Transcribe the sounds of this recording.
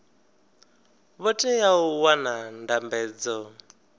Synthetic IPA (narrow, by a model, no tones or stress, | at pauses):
βɔtʼɛjauwanandambɛːd͡zɔ